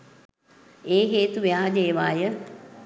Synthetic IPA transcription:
eːɦeːt̪uʋejaːɦd̪eːʋaːjə

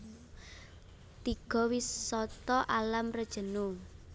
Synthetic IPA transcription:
t̪iɡ̥ɔ̤wisɔt̪ɔʔalamrəd̥ʒ̥ə̤nu

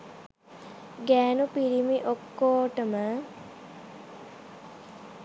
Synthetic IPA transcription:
ɡæːnupiɾimiʔokːoːʈəmə

